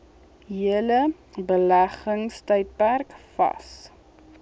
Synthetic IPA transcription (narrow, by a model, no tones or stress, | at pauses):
ɦiələ | bəlæχəŋstœjt̚pærkfɐ̰s